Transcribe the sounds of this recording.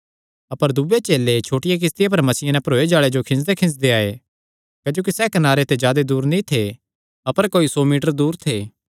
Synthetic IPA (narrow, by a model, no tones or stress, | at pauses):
ɐpəɾd̪ʊbet͡ʃeːlet͡ʃʰoːʈɪjek̬ɪst̪ɪjap̬ɐɾmɐsiːãnɛpɐɾoːed͡ʒaːɭed͡ʒokʰɪ̃ns̬d̪ekʰɪ̃ns̬d̪eaːḛ | kɐd͡ʒoːk̬isɛːkɐnaːɾet̪ed͡ʒjaːd̪ed̪uːɾnĩt̪ʰe | ɐpəɾkoːisɔːmiːʈəɾd̪uːɾt̪ʰeː